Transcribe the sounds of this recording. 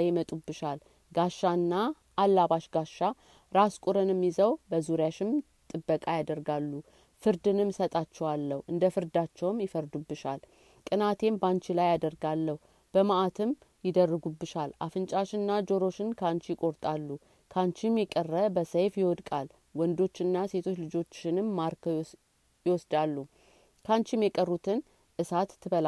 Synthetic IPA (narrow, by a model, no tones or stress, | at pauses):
jɪmət̪ʼubːɨʃal | ɡaʃːanːa | ʔːlːaβaʃɡaʃːa | ɾaskʷʼuɾɨnɨmːjɪzəwbəzuɾjaʃɪm | t̪ʼɨbːəkʼajad̪əɾɡalːu | fɨɾd̪ɨnɨmsət̪ʼat͡ʃːɛwalːəhʔɨnd̪əfɨɾd̪at͡ʃːɛwmjɪfəɾd̪ubːɨʃal | kʼɨnat̪ʰe̞mbant͡ʃilajad̪əɾɡalːəhu | b̥əmaʔat̪ʰɨm | jɪd̪ərːɨɡubɨʃalʔafɨnt͡ʃʼaʃɪnːad͡ʒo̞ɾo̞ʃɪnkʰant͡ʃjɪkʼo̞ɾt̪ʼalːu | kʰant͡ʃimjɛkʼərːəbəsəjfjɪwɔd̪kʼal | wɔnd̪o̞t͡ʃːɪnːase̞t̪ʰo̞t͡ʃːlɨd͡ʒo̞t͡ʃːɪnɨmːaɾkʰ | jɪwɔsd̪alːu | kʰant͡ʃɪmjɛkʼərːut̪ʰɨn | ʔɨsat̪ʰːɨbəla